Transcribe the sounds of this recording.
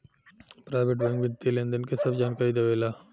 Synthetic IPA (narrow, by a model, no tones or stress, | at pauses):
pɾaːɪʋeʈbɛ̃ŋɡʋɪnt̪ilẽːnd̪ənkesɐbd͡ʒaːnkaːɾid̪eʋeːlaː